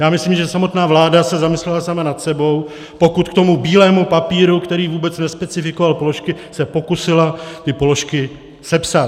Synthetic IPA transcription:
jaːmɪslimʒɛsamo̞t̪naːvlaːdasɛzamɪslɛlasamanat̪sɛbo̞w | po̞kut̪kt̪o̞mubiːlɛːmupapiːɾukt̪ɛɾiːvuːbɛt͡snɛspɛt͡sɪfɪko̞valpo̞loʃkɪsɛpo̞kusɪlat̪ɪpo̞lo̞ʃkɪ | sɛpsat̪

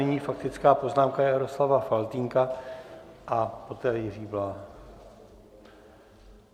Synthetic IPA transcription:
ɛɲiːfak̚t̪ɪt͡skaːpo̞znaːmkajaɾo̞slavafalt̪iŋka | ʔapo̞t̪ɛːjɪriːblaː

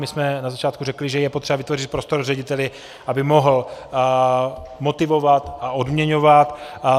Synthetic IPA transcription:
mɪsmɛnazat͡ʃaːt̪kurɛklɪʒɛjɛpot̪r̥ɛbavɪt̪vorɪt̪̚pɾo̞st̪o̞ɾrɛɟɪt̪ɛlɪ | ʔabɪmo̞ɦl̩ | mo̞t̪ɪvo̞vat̪aʔodmɲɛɲo̞vat̪

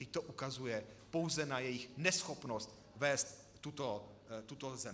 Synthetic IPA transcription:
ɪct̪oʔukazujɛpowzɛnajɛjɪxnɛsxopnost̪ | vɛːst̪ː | ut̪o | t̪ut̪ozɛ

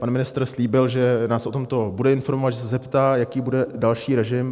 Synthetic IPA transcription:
panmɪnɪst̪r̩sliːbɪlʒɛnaːsʔo̞t̪o̞mt̪o̞budɛɪnfo̞ɾmo̞vat̪ʒɛs̬ɛzɛpt̪aːjakiːbudɛdalʃiːɾɛʒɪm

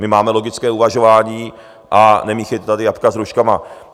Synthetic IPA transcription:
mɪmaːmɛlo̞ɡɪt͡skɛːuvaʒo̞vaːɲiː | ʔanɛmiːxɛjt̪t̪adɪjapkazɾuʃkama

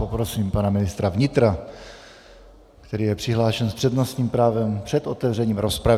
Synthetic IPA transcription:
opɾo̞siːmpanamɪnɪst̪ɾavɲɪt̪ɾa | kt̪ɛɾiːjɛpr̥ɪɦlaːʃɛnspr̥ɛd̪nosɲiːmpɾaːvɛmpr̥ɛt̪ʔo̞t̪ɛvr̝ɛɲiːmɾo̞spɾav

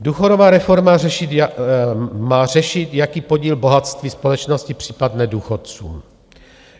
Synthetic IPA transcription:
duːxodovaːɾɛfo̞ɾmarɛʃɪt̪ | maːrɛʃɪt̪jakiːpo̞ɟiːlbo̞ɦat̪st̪viːspo̞lɛt͡ʃnoscɪpr̝̥iːpadnɛduːxot̪t͡sṵːm

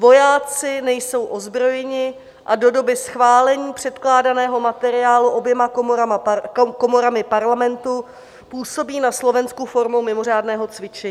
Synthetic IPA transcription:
vo̞jaːt͡sɪnɛjso̞wʔo̞zbɾo̞jɛɲɪ | ʔado̞do̞bɪsxvaːlɛɲiːpr̝̥ɛt̪klaːdanɛːɦo̞mat̪ɛɾɪaːluʔo̞bjɛmak | ko̞mo̞ɾamɪpaɾlamɛnt̪u | puːso̞biːnaslo̞vɛnskufo̞ɾmowmɪmo̞r̝aːdnɛːɦo̞t͡svɪt͡ʃɛɲː

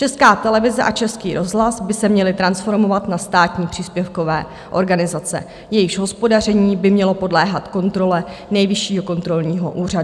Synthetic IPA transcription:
t͡ʃɛskaːt̪ɛlɛvɪzɛʔat͡ʃɛskḭːɾo̞zɦlasbɪsɛmɲɛlɪt̪ɾansfo̞ɾmo̞vat̪nast̪aːt̪ɲiːpr̝̥iːspjɛfko̞vɛː | ʔo̞ɾɡanɪzat͡sɛ̰ | jɛjɪʒɦo̞spo̞dar̝ɛɲiːbɪmɲɛlo̞po̞dlɛːɦat̪ko̞nt̪ɾo̞lɛnɛjvɪʃiːɦo̞ko̞nt̪ɾo̞lɲiːɦo̞ʔuːr̝a

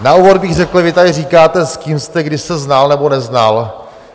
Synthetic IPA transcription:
nauvod̪̚bɪɣr̝ɛkl̩vɪt̪adɪriːkaːt̪ɛskiːmst̪ɛɡdɪʃsɛznalnɛbonɛznal

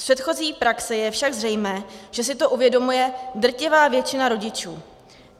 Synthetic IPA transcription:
pr̥ɛt̪xo̞ziːpɾaksɛjɛfʃaɡzrɛjmɛːʒ̥ɛs̬ɪt̪o̞ʔuvjɛdo̞mujɛdr̩cɪvaːvjɛt͡ʃɪnaɾo̞ɟɪt͡ʃuː

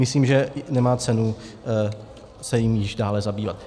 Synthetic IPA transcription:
mɪsliːmʒɛnɛmaːt͡sɛnu | sɛjɪmjɪʒdaːlɛzabiːvat̪̚

